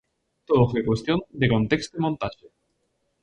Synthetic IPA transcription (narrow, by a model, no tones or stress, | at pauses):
t̪oðofwekwe̞st̪jond̪ekont̪ekst̪oimont̪aʃe